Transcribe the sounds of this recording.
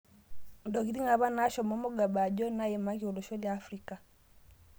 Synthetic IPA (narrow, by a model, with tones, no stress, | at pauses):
ndɔ˨ɣi˦di˦ŋa˨βa˦na˦ʃɔ˨mɔ˦mo˦ɡa˨ba˨d͡ʒɔ˦na˦ɛ˨ma˦ki˨o˨lo˨ʃɔ˦ljaː˨˦fɾi˦ka˨